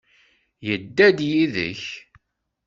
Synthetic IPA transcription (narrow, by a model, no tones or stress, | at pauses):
jəd̪ːæd̪jiðə̰ç